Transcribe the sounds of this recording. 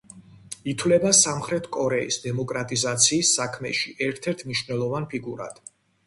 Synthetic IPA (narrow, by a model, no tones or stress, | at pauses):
it̪ʰwlɛbasamχɾɛt̪ʰkʼɔɾɛḭsd̪ɛmɔkʼɾat̪ʼizat̪sʰiːsːakʰmɛ̰ʃiʔɛɾt̪ʰɛɾt̪ʰmniʃvnɛlˠɔvanpʰiɡuɾa̰d̪̥